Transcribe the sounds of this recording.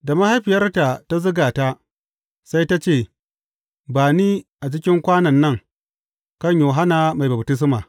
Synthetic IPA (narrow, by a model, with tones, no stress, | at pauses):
da˨ma˦ha˦jɸɪ˨jɐ˦rta˨ta˦zʊ˦ɡaː˨ta˦ | sa˦jta˦t͡ʃeː˦˨ | baː˨niː˦ʔa˨t͡ʃɪ˦kʲɪ˦ŋkʷaː˦nɐ˨nːɐ˦ŋ | kɐ˦˨ɲjoː˨ɦa˦na˨ma˨jbɐ˨btɪ˦s̬maː˨